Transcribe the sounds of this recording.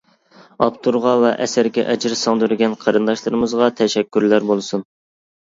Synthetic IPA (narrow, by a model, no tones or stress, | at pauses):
ɑpt̪ʰuɾʁɑvɛʔɛsæɾɡʲɛ̰ʔɛd͡ʒɪɾsɑŋd̪yɾɪɡʲɛnqʰɑɾɨnd̪ɑʃlˠɨɾɨmɨzʁɑt̪ʰɛʃɛkʲːyɾlæɾbolˠɨsun